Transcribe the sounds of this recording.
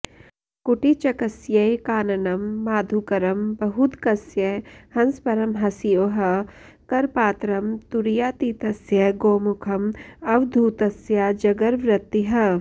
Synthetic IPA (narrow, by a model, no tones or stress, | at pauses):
kʊʈit͡ʃɐkɐsjɐjkaːnɐnɐmːaːd̪ʱukɐɾɐmbɐɦud̪kɐsjɐhɐnspɐɾɐmɦɐsijoːɦɐ | kɐɾpaːt̪ɾɐmt̪uɾijaːt̪iːt̪ɐsjɐɡoːmʊkʰɐmɐʋd̪ʱuːt̪ɐsjad͡ʒɐɡɐɾʋɾɪt̪ːiɦɐ